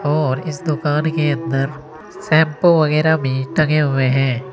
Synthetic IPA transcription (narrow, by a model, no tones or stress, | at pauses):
ɔːɾɪsd̪ʊkaːnkeɐ̃nd̪əɾ | sɛ̃ːmpoʋɐɣɛːɾamĩːʈɐɡeɦʊeɦɛ̃ː